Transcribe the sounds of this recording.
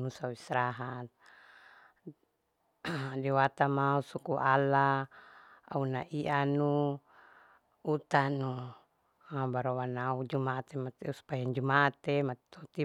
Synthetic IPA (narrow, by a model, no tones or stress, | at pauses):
nusauisɾaɦat̪̚ | diwat̪amausukuʔala | a̰unaʔiʔanu | ut̪anu | abaɾowanaud͡ʒumat̪emat̪usu̥pajand͡ʒumat̪emat̪t̪ot̪i